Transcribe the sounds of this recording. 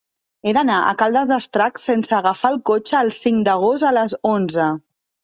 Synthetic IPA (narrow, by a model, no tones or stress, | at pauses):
eðənaʔə̰kalˠd̪əzðəst̪ɾaksensəːɣəfaːlˠkot͡ʃəːlˠsiŋd̪əɣ̞ost̪ələzonzə